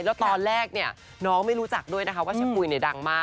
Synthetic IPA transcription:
lɛː˦˥wt̪ɔː˧nɾɛː˥˩k̚ni˥˩ɐ | nɔː˦˥ŋma˥˩jɾuː˦˥t͡ɕa˨˩k̚du˥˩əjna˦˥kʰa˦˥waː˥˩t͡ɕʰa˦˧˥nkuː˧˩jni˥˩da˧ŋmaː˥˩

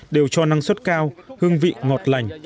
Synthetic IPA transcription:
ɗe˨˩wt͡ɕɔ˧na˧ŋswə˦˥t̚kaː˧whɨ˧əŋvḭ˧˨ŋɔ˨˩t̚la˨˩jŋ̟

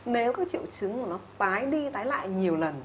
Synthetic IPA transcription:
ne˨˦wkaː˨˦k̚t͡ɕḭ˧˨əwt͡ɕɨ˨˦ŋku˧˩ənɔ˨˦t̪aː˨˦jɗi˧t̪aː˨˦jla̰ː˧˨jɲi˨˩əwlə˨˩n

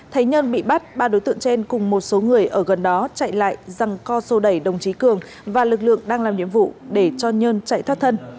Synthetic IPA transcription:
t̪ʰa˨˦jɲəː˧nɓḭ˧˨ɓa˦˥t̚ɓaː˧ɗo˨˦jt̪ɨ̰˧əŋt͡ɕe˧nkʊ˨˩ŋ͡mmo˨˩t̚so˨˦ŋɨ˨˩əjʔəː˧˩ɣə˨˩nɗɔ˨˦t͡ɕa̰˧˨jla̰ː˧˨jza˨˩ŋkɔ˧so˧˩ɗə˧˩jɗə˨˩wŋ͡mt͡ɕi˨˦kɨ˨˩əŋ | vaː˨˩lɨ˨˩k̬̚lɨ̰˧˨əŋɗaː˧ŋlaː˨˩mnḭ˧˨əmvṵ˧˨ɗe˧˩t͡ɕɔ˧ɲəː˧nt͡ɕa̰˧˨jt̪ʰwa˦˥t̪̚ʰə˧n

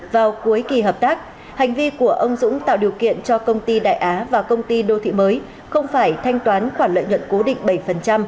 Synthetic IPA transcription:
vaː˨˩wku˨˦əjki˨˩ɦəː˨˩p̚t̪aː˦˥k̚ | ha˨˩jŋ̟vi˧ku˧˩əʔə˧wŋ͡mzʊ̰˧˥ŋ͡mt̪a̰ː˧˨wɗi˨˩əwkḭ˧˨ənt͡ɕɔ˧kə˧wŋ͡mt̪i˧ɗa̰ː˧˨jʔaː˨˦vaː˨˩kə˧wŋ͡mt̪i˧ɗo˧t̪ʰḭ˧˥məː˨˦j | xə˧wŋ͡mfaː˧˩jt̪ʰa˧jŋ̟t̪waː˨˦nxwaː˧˩nlə̰˧˨jɲwə̰˧˨nko˨˦ɗḭ̈˧˨ŋ̟ɓə˧˩jfə˨˩nt͡ɕa˧m

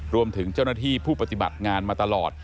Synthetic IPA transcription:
ɾu˧əmt̪ʰɯ˩˦ŋt͡ɕa˥˩wnaː˥˩t̪ʰiː˥˩pʰuː˥˩pa˧t̪i˨˩ba̰˨˩t̪̚ŋaː˧nmaː˧t̪a˧lɔ̰ː˨˩t̪̚

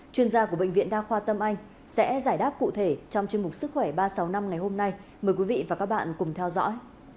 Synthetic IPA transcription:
t͡ɕwi˧ənzaː˧ku˧˩əɓ̰ḛ˧˨ŋ̟vḭ˧˨ənɗaː˧xwaː˧t̪ə˧mʔa˧jŋ̟ | sɛ̰˧˥zaː˧˩jɗaː˦˥p̚kṵ˧˨t̪ʰe˧˩t͡ɕɔ˧wŋ͡mt͡ɕi˧əŋmʊ˨˩k͡p̚sɨ˦˥k̚xwɛ˧˩ɓaː˧sa˨˦wna˧mŋa˨˩jho˧mna˧jməː˨˩jkwi˨˦vḭ˧˨vaː˨˩kaː˦˥k̚ɓa̰ː˧˨nkʊ˨˩ŋ͡mt̪ʰɛ˧wzɔ̰˧˥j

